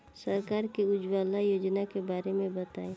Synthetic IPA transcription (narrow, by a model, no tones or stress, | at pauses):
səɾkaːɾkeʊd͡ʒwaːlajoːd͡ʒnakebaːɾemẽbət̪a̰ːe